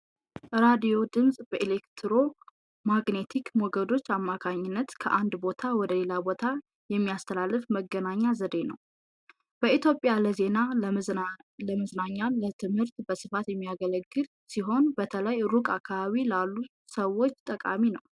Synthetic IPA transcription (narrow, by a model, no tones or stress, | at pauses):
ɾad̪ijo̞d̪ɨmsʼbəʔelekt̪ʰɾo | maɡne̞t̪ʰikmɔɡəd̪o̞t͡ʃːamːakʰaɲːɪnːət̪kʰəʔand̪bo̞t̪ʰawɔd̪əle̞labo̞t̪ʰa | jɛmːiast̪ʰəlalːɨfməɡənaɲːazəd̪e̞nə̰w | b̥əit̪jo̞pʼjaləze̞na | ləməznaɲːalət̪ʰɨmhɨɾt̪bəsɨfat̪jɛmːijaɡələɡːɨl | siɦo̞nbət̪ʰələjɾukʼakʰːaβaβilalːu | səwːo̞t͡ʃːt̪ʼəkʼa̰minəw